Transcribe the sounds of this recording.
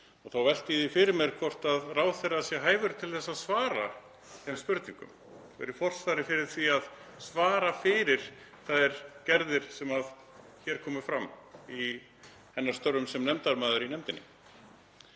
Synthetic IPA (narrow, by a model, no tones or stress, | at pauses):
ɔɣθawvɛl̥t̪iðifɪɾɪɾmɛɾ̥kʰvɔr̥t̪aðraːwθɛɾasjɛɦaːjvʏɾʏt̪ʰɪlθɛsːaðsvaːɾa | θɛmspʏɾt̪nĩŋkʏ̰m | vɛ̰ɾʏfɔr̥sfajɾɪfɪɾɪɾ̥θiað | svaːɾafɪːɾɪɾ̥ | θaðɛɾ̥cɛɾðɪɾ̥sɛmað | çɛːɾ̥kʰɔːmʏfɾamːi | hɛnːḁɾ̥st̪œɾːʏmsɛmnɛmt̪aɾmaːðʏɾinɛmt̪ɪnɪ̰